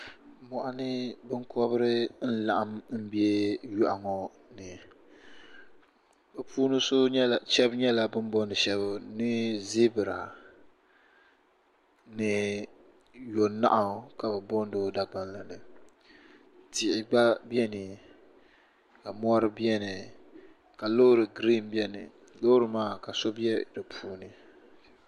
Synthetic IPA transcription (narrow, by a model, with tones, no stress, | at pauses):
mɔ˨ʔa˨nɨ˦bɨ˦ŋkɔ˦bɨ˦ɾɨ˦n̩˦la˨ʔa˦m˦m̩˦bi˦ɛ˦ju˦ʔa˨ŋɔ˦ | nɨ˨ | bɛ˨puː˦nɨ˦so˦ɲɛ˦˨t͡ʃɛ˦bɲɛ˦la˨bɨ˦m˦bɔ˦ndɨ˨ʃɛ˦βʊ˦nɨ˦zi˦bɨ˨ɾa˨ | nɨ˦ | jo˨nːa̰˦ʔa˨˦˨ka˨bɛ˨bɔ˦n˦do˦da˨ɡ͡ba˦n˦la˨nɨ˨ | ti˨ʔɪ˨a˦bɛ˦nɨ˨ | ka˨mɔ˦ɾɨ˦bi˦ɛ˦nɨ˨ | ka˨lo˦ɾɨ˨ɡɾi˦˨mbi˦ɛ˦nɨ̰˨ | lo˦ɾɨ˨maː˦˨ka˨so˦bi˦ɛ˦dɨ˨pʰuː˦nɨ˦